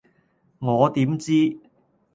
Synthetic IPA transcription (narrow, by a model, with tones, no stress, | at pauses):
ŋɔː˨˧t̪iː˨˥mt͡siː˥